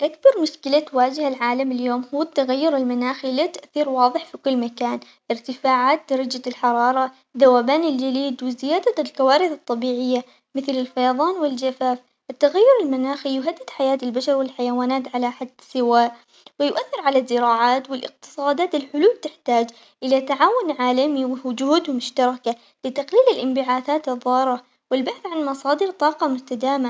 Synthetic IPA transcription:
ʔak̚bɑɾˤmʊʃkɪlat̪waːd͡ʒɪhalʕaːlamɪljoːmhuːɪt̪ːaɣajːʊɾɪlmanaːxilat̪aʔθiːɾwɑːðˤɨħfikʊlːmakaːn | ʔɪɾt̪ɪfaːʕaːt̪̚d̪ɑɾˤɑd͡ʒalħɑɾˤɑːɾˤɑ | ðawaːbaːnɪld͡ʒaliːd̪wɪzɪjaːd̪alkawaːɾɪθt̪ˤːɑbiːʕɪjːa | mɪθlɪlfɑjɑðˤɑːnwɪld͡ʒafaːf | ʔɪt̪ːaɣajːʊɾɪlmanaːxijʊɦad̪ːɪd̪ħajaːt̪ɪlbaʃɑɾˤwɪlħajawaːnaːt̪ʕalaʔħad̪ːsɪwaːʔ | wɪjʊʔaθːɪɾʕalazːɪɾɑːʕaːt̪wɪlʔɪ̰q̚t̪ɨ̥sˤɑːd̪aːt̪ɪlħʊluːlt̪ɪħt̪aːd͡ʒ | ʔɪlat̪aʕaːwʊnʕaːlamiwɪhd͡ʒʊhuːd̪mʊʃt̪ɑɾˤɑka | lɪt̪aqliːlɪlʔɪmbɪʕaːθaːt̪ɨðˤːɑːɾˤɑ | wɪlbaħθʕanmɑsˤɑːd̪ɪɾt̪ˤɑːqɑmʊst̪ad̪aːma

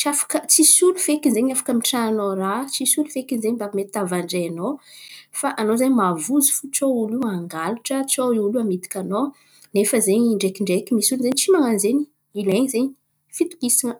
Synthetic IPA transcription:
t͡ʃiafḁkət͡sisulufekinzeɲafḁkəmiʈ͡ʂananorat͡sisulufekinzeɲbavmet̪it̪avaɳɖ͡ʐejanofaʔanozaɲimavuzi̥fut͡souluaŋɡaluʈ͡ʂət͡souluamit̪i̥kʲano | nefəzeɲɳɖ͡ʐekiɳɖ͡ʐekimisulzeɲit͡simaŋanzeɲi | ileɲizeɲi | fit̪u̥kisiŋə

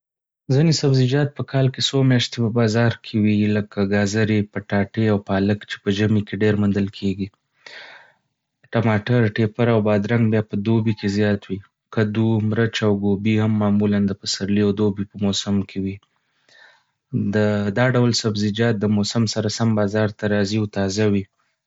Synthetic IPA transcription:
zinesabzid͡ʒɑt̪̚pəkʰɑlkesomjɑʃt̪epəbɑzɑɾkʰewiləkʰaɡɑzaɾepəʈɑʈeawpɑləkt͡ʃe̥pəd͡ʒamikeɖeɾmʊnd̪əlkʰeɡi | ʈamɑʈaɾʈepaɾawbɑd̪ɾaŋɡ̚bjɑpəd̪obikezjɑt̪wi | kad̪umɾət͡ʃawɡobihamːɑmuland̪əpəsaɾliawd̪obipəmosamkʰewi | d̪əd̪ɑɖawlsabzɪd͡ʒɑt̪̚d̪əmosamsaɾasambɑzɑɾt̪aɾɑziawt̪ɑzawi

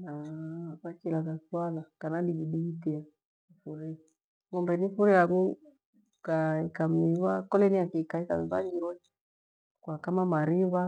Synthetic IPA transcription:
nakakilakaswalakanaliɡiɗiitia | ifuɾi | ŋɔmbɛnifuɾiaɡu | kaikam̩iβakɔlɛniakikaika̰m̩βa̰ɡiɾɔ | kwakamamaɾiβa

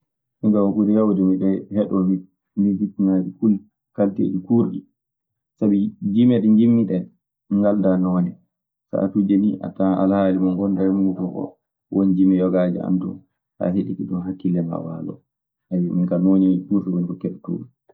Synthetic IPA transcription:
miŋkawakudɛjawdɛmiɗɔhɛɗɔmi | mibitːinad͡ʒikul | kaltḛːd͡ʒikuɾɗi | sabid͡ʒimɛɗŋɡimːiɗɛ | ŋɡaldanɔnɛ | sa̰a̰tud͡ʒeniʔa̰taa̰lhaːlimaŋɡɔndaɾɛmutuʔɔ̰ | wʔond͡ʒimijɔɡad͡ʒḭa̰ntṵn | ha̰ɦeɗikiɗumɦakːilːɛma̰wa̰ːlɔ̰ | ʔawimiŋkanoːnikuɾɗiwɔnkɔkɛɗɛtːṵlu

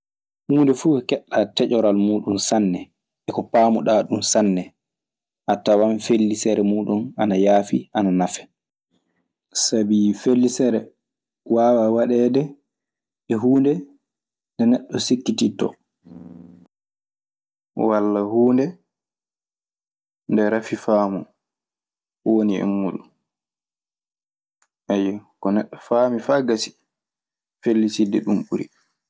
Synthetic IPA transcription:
huːndɛfuɛkɛɗːatɛt͡ʃɔɾalmuːɗunsanːɛ | ɛkɔpaːmuɗaːɗumsanːɛ | ʔatːawanfelːisɛɾɛmuːɗunanajaːfiʔananafɛ̥ | sabifelːisɛɾɛ | waːwawaɗɛːdɛ | ɛɦuːndɛ | ndɛnɛɗːɔsikːititɔ̰ | walːahuːndɛ | ndɛɾafifaːmu | woniɛ̰mːuɗun | ʔɛjɛkɔnɛɗːɔfamifaːɡasi̥ | felːisidɛɗumɓuɾḭ

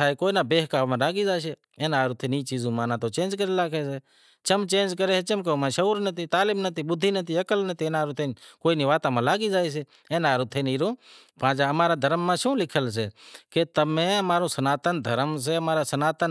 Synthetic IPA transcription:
aːiːkoːiːnãːbeːɦkaːʋmãːlaːɡiːd͡ʒaːʃ̬eː | ẽːnaːɾʊt̪ʰeːnĩːt͡ʃiːzũːmãːnãːt̪oːt͡ʃẽːnd͡ʒkəɾelaːkʰeːseː | t͡ʃəmt͡ʃẽːnd͡ʒkəɾeːseːt͡ʃəmk̬eõmãːʃəuːɾnət̪ʰiːt̪aːlɪmnət̪ʰiːɓʊd̪ʱːiːnət̪ʰiːəkəlnət̪ʰiːnaːɾut̪ʰẽːnkoːinĩːʋaːt̪ãːmãːlaːɡiːd͡ʒaːeːs̬eː | ẽːnaːɾʊt̪ʰeːniːɾõː | pãːd͡ʒaːəmaːɾaːd̪ʱəɾəmːãːʃũːlɪkʰəlseːkeːt̪əmẽːəmaːɾõːsənaːt̪ənd̪ʱəɾəms̬eːəmaːɾaːsənaːt̪ən

